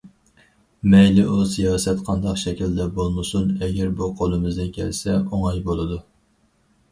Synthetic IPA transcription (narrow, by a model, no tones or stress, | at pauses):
mɛjlɪʔusijɑːsɛt̪qʰɑnd̪ɑqʃɛkʲild̪ɛbolˠmɨsunɛɡʲɛɾbuqʰolˠɨmɨzd̪ɪnkʲʰɛ̰lsɛoŋɑjbolˠɨd̪u